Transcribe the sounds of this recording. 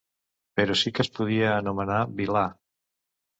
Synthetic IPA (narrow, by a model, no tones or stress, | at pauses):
peɾosikəspuð̞iəːnumənaβila